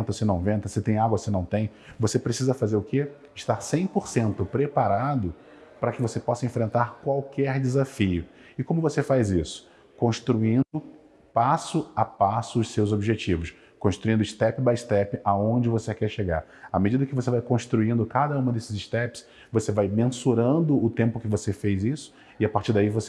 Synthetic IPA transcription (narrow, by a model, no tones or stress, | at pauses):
t̪ɐsɪnɐ̃w̃vẽnt̪ɐset̪ẽj̃aɡwɐsɪnɐ̃w̃t̪ẽj̃ | vosepɾesizɐfazeɾʊke | ɪʃt̪aɾsẽj̃poɾsẽnt̪ʊpɾepaɾad̪ʊ | pɾɐkɪvosepɔsɐẽfɾẽnt̪aɾkwawkɛɾd͡ʒɪzafijʊɪkõmʊvosefajzisʊ̥ | kõʃt̪ɾuĩnd̪ʊ | pasʊapasʊːssewzobiʒet͡ʃivʊs | kõʃt̪ɾuĩnd̪ʊɪʃt̪ɛpɪbajʃt̪ɛpɪʔaõd͡ʒɪvosekɛɾʃeɡa̰ɾ | ɐmed͡ʒid̪ɐkɪvos̬evajkõʃt̪ɾuĩnd̪ʊkad̪ɐũmɐ̃d̪esɪzɪʃt̪ɛpɪ̥s | vosevajmẽsuɾɐ̃nd̪ʊʊt̪ẽmpʊkɪvosefejzisʊ̥ | ɪapaɾt͡ʃiɾd̪aivose